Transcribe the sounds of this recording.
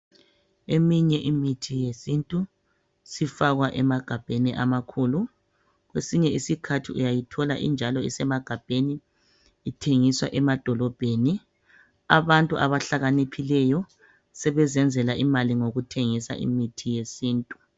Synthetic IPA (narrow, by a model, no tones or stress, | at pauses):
emiɲɛʔimitʰijesintʼu | sifaɣwaʔɛmaɡ̥ʱab̥ʱeniʔamakʰuːlu | ɣwesiɲɛisikʰatʰiujajitʰɔlaʔḭnd͡ʒʱalɔḭsɛmaɡ̥ʱab̥ʱeniː | tʰeŋiswa̰ʔɛmad̥ʱɔlɔb̥ʱeni | aβantʼuʔaβaɬaɣanipʰilɛjɔ | sɛβɛzɛnd͡zʱɛlaʔimaliŋoɣutʰeŋisa̰ʔḭmitʰijesiːntʼu